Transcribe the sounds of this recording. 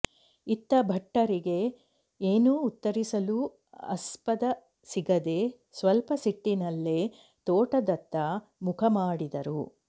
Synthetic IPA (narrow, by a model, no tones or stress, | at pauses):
it̪ːɐbʱɐʈːɐɾiɡe̞ | eːnuːt̪ːɐɾisɐlu | ɐ̰spɐd̪ɐ | siɡɐd̪e̞ | sʋɐlpɐsiʈːinɐlːe | t̪oːʈɐd̪ɐt̪ːɐ | mukʰɐmaːɽid̪ɐɾṵ